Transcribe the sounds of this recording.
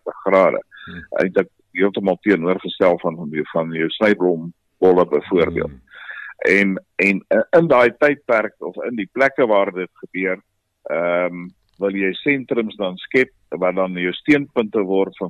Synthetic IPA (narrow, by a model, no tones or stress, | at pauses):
təχχrɑːdə̰ʔə̰jntlək̚diəlˠtəmɑlˠtiənuərχəstælˠfɐnjwfɐnjœwsnəjblɔm | bɔləbəjfuərbḭəlˠt̚ʔɛn | ɛnəndɑjtɛjt̚pærkɔfə̰ndiplækəvɑːrdətχəbyər | əm | vəlˠjəjsɛntɾəmsdɐnskɛp̚vɐdɐnjəwstiənpəntəvɔrtfɐn